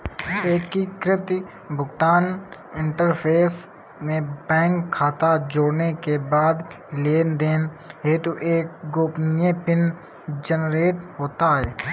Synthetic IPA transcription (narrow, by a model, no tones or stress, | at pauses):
eːkːikɾɪt̪i | bʊɡt̪aːn | ɪ̃ɳʈəɾpʰeːs | mẽbɛ̃ːŋkʰːaːt̪ad͡ʒoːɽnekebaːd̪ | leːnd̪eːn | ɦeːt̪oʔeːk̚ɡoːpnɪjẽpɪn | d͡ʒənɾeːʈɦoːt̪aɦɛː